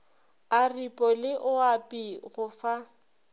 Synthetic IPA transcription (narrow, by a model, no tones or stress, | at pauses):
aripʼɔlɪʔʊapʼiɣʊfa